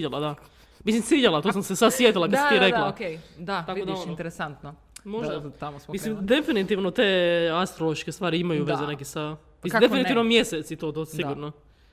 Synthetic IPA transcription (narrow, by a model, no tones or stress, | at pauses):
ʎalad̪a | mislimsiʎalˠat̪osamsesad̪sjet̪ilˠakad̪si̥iɾelaokejd̪at̪akkod̪aont̪ɾesant̪no | moʒd̪at̪amosmislimd̪efinit̪iʋnot̪east̪ɾolˠoʃt͡ʃkest̪ʋaːɾiimajuʋezenekisa | misd̪einit̪iʋnomjeset̪sit̪ot̪osiɡuɾno